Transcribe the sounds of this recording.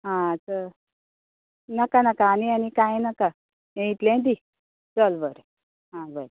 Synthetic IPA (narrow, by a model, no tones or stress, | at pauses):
ɦãat͡sa | nakanakaːnianikajnaka | ẽit̪lẽd̪i | d͡zɔlbəɾ | ɦãbəɾ